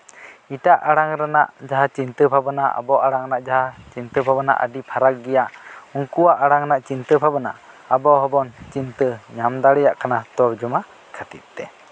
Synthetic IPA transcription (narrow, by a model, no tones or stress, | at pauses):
iʈaʔaɽaŋɾɛnaʔd͡ʒaɦat͡ʃint̪əbʱabanaʔa̰bɔʔaɽaŋnaʔd͡ʒaɦat͡ʃint̪əbʱabəna̰ʔə̰ɖipʰaɾakɡɛjaʔuŋkuwaʔaɽaŋnaʔt͡ʃint̪əbʰʱabəna̰ʔ | abɔɦɔbɔnt͡ʃint̪əɲamd̪aɽɛjaʔkanat̪ɔɾd͡ʒuma | kʰat̪it̪̚t̪ɛ